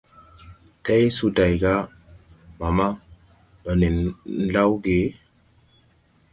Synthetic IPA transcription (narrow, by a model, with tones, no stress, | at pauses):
te˦jsu˦da˨jɡa˦ | ma˨ma˦ | bə˨ni˨n˦la˦wɡe˨˦